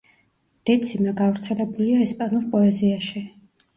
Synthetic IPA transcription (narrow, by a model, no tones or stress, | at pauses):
d̪̥ɛt̪sʰimaɡavɾt̪sʰɛlɛbuliaɛspʼanuɾpʼɔɛziaʃi